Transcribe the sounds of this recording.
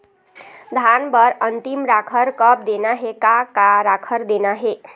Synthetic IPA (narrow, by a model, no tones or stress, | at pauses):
d̪ʱanbəɾənt̪imɾakʰəɾkəp̚d̪enaɦekakaɾakʰəɾd̪enaɦe